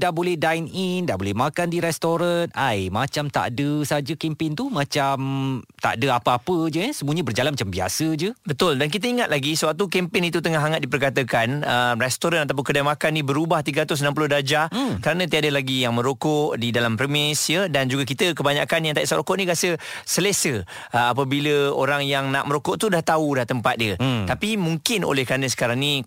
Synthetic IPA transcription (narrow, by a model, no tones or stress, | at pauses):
daʔbolɛhdajnindaʔbolɛmakandiɾɛst̪oɾanajmat͡ʃamt̪a̰dəsad͡ʒəkɛmpɪnt̪umãt͡ʃamt̪a̰ʔdəapəapəd͡ʒəjsəmuəɲəbərd͡ʒalanmat͡ʃambia̰səd͡ʒəbət̪ʊldank̬it̪əiŋat̪laɡisəwak̚t̪ukɛmpɪnit̪ut̪əŋaɦaŋat̪̚dipərkat̪əkanərɛst̪oɾanat̪ap̬ʊnkədajmakanibəɾubaht̪iɡəɾat̪ʊs̬namp̬ulʊhdad͡ʒakəɾanə̃t̪̬iadəlaɡijaŋmə̃ɾokɔʔdidalampɾəmɪsjədand͡ʒuɡakit̪əkəbaɲakanjaŋt̪ajʔsaɾokɔʔniɡasəsəlesə | əapəbiləo̰ɾaŋjaŋnaʔməɾokɔʔt̪udaht̪aulaht̪əmpat̪̚diət̪apimuŋkɪno̰lɛhkɾanə̃s̬ə̥kaɾaŋni